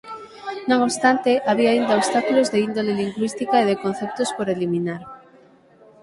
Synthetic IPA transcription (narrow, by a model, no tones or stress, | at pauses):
nõŋoβst̪ant̪ɪʔaβiaːind̪aost̪akulozðeind̪oleliŋɡwist̪ikaeðekon̟θɛp̚t̪ʊspoɾelimĩnaɾ